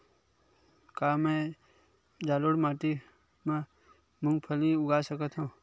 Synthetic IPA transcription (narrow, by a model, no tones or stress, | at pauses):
kaːmẽ | d͡ʒaːloɽmaːʈi | mẽ | mʊ̃ŋɡpʰəliʊɡaːsəkət̪ɦũː